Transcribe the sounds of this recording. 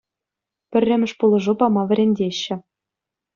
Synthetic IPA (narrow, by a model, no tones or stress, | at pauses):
pʲɘ̆rʲːɘ̆mʲɘ̆ʂpulˠɤ̆ʐupɑmɑʋʲɘ̆ɾʲenʲdʲeɕːɘ̆